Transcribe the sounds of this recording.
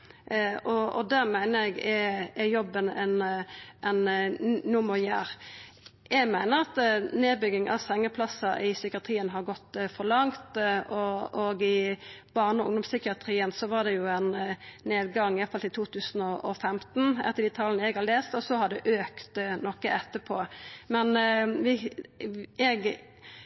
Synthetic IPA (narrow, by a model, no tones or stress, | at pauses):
ɔɔ̰d̪æɾmæɪnəɾɛɡɛɛjɔbːənɛnʔɛnnʊməjæːɾ | jɛɡmæɪnəɾɑt̪neːd̪bʏɡɪŋʔɑ̰ʋsɛŋːəpʰlɑsːɑʔɪsʏkɪɑt̪ʰɾiːənɦɑɾɡɔt̪ːfɔʁlɑŋt̪ɔɔɡɪb̥ɑʁnəɔʊ̰ŋd̪ɔmsʏkɪɑt̪ɾiːənsɔʋɑd̪ɛjʊænneːd̪̚ɡɑŋːɪjɛfɑlt̪ɪt̪ʰuːt̪ʰʉːsnɔɔfɛmt̪n̩ɛ̰t̪ːəd̪iːt̪ʰɑlənəɛɡhɑleːst̪ɔsɔhɑd̪ɛʔøːkt̪nɔkːəʔɛt̪ːəpʰoːmɛnʋɪ | ɛɡ